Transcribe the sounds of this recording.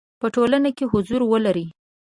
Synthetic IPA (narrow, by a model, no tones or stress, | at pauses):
pəʈolanakeɦʊzuɾwəlaɾi